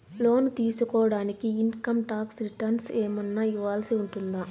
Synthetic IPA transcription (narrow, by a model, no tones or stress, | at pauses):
lo̞ːnt̪iːsukɔːɐɽaːnikiːnkɐmʈaːksɾiʈɐnseːmɐnːaiʋaːlsiuɳʈund̪a